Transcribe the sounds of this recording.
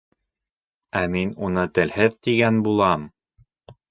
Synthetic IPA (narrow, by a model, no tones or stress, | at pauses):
æminunɤt̪ɘ̆lhɘðt̪iɡænbulˠɑm